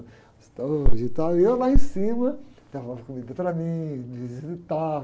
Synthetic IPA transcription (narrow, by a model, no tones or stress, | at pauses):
st̪oʒit̪awiewlaẽsĩmɐd̪̥avɐɐɐkumid̪ɐpɾɐmĩd͡ʒvizizɪt̪a